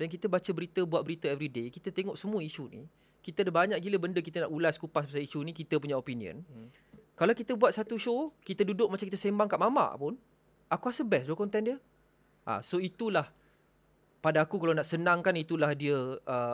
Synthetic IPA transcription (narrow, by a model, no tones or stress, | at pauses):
dank̬it̪əbat͡ʃəbəɾit̪əbuat̪̚bəɾit̪əɛvɾidekit̪ət̪eŋɔʔsəmuəiʃunḭ | kit̪ədəbaɲaʔk̚ɡiləbəndəkit̪ənaʔulaskupasbasaiʃunikit̪əpuɲaopiniə̰̃n | kalawkit̪əbuat̪̚sat̪uʃokit̪ədudʊk̚mat͡ʃamkit̪asembaŋkaʔmama̰ʔpʊn | akuasəbɛsduəkɔnt̪ɛndiə | ʔa̰soit̪ulah | padaːkukalawnaʔsənãŋkanit̪ulahdiəə